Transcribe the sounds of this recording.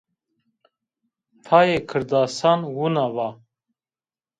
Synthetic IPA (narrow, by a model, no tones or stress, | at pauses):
t̪ʰajekʰɨɾd̪aːsanwunava